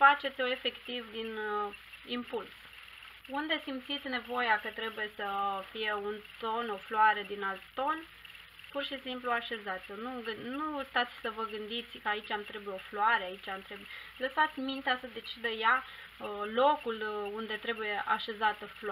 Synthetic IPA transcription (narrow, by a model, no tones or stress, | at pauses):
fat͡ʃe̞t̪sʲoe̞fe̞kt̪ivd̪in | impuls | und̪e̞simt̪sit̪sʲne̞vo̞jakət̪ɾe̞buje̞səfije̞unt̪o̞no̞floaɾed̪inalt̪ːo̞n | purʃisimpluaʃe̞zat̪sʲonuɡɨnust̪at̪sʲsəvəɡɨnd̪it̪sʲkəait͡ʃʲamt̪ɾe̞bujeo̞floaɾeait͡ʃamt̪ɾe̞buje | ləsat̪sʲmint̪easəd̪e̞t͡ʃid̪əja | lo̞kulund̪e̞t̪ɾe̞buje̞ʔa̰ʃe̞zat̪əfl